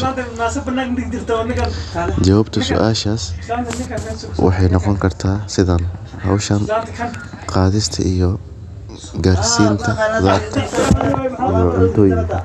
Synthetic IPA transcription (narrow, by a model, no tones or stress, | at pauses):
at̪ɐnaːsɐbɐnaːɡnd̪ɪɡ̚d̪ɪɾt̪ʰɐɐnːɐɡɐd͡ʒɐwaːbt̪ʰɐsʊ̰ʔaːʃaːs | wɑ̰ħɑjnɔqɔŋkʰɐrt̪ʰaːsɪðɐn | hɐ̰wʃɐn | qɑːðɪst̪ʰɐ̰ʔijɔ | ɡaːrsiːnt̪ʰɐðaːɾt̪ʰɐ | ijɔʕʊnt̪ʰɔːjɪŋkʰɐ